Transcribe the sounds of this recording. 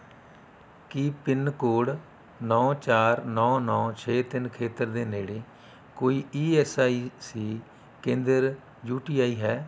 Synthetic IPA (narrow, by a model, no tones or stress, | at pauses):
kiːpɪnkoːɽ | nɔ̃ːt͡ʃaːɾnɔ̃ːnɔ̃ːt͡ʃʰeːt̪ɪnkʰeːt̪əɾd̪eːneːɽeː | koːiːiːɛːsaːiːsiː | kẽːnd̪əɾ | juːʈiːaːiːɦɛː